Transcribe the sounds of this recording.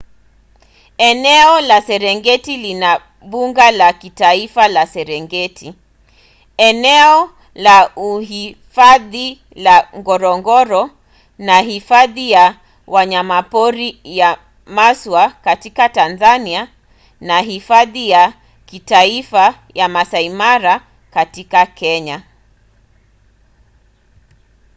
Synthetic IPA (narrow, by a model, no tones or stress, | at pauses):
ɛnɛɔlasɛɾɛŋɡɛtilina | ɓuŋɡalakitaifalasɛɾɛŋɡɛtʰi | ɛnɛɔ | lauɦifaði | laŋɡɔɾɔŋɡɔɾɔ | naɦifaðija | waɲamapɔɾija | maswakatikatanzania | naɦifaðija | kitaifa | jamasaimaɾa | katikakɛɲa